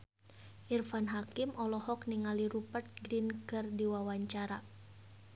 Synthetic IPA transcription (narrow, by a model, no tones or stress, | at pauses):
ʔirfanɦakimʔɔlɔhɔk̚niŋaliɾupərt̪̚ɡɾinkɨrdiwawaɲt͡ʃaɾa